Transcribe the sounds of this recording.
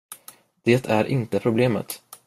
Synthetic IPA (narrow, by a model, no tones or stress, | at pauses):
d̪̥eːt̪ʰæɾʔɪnt̪əpʰɾʊbleːmə̰t̪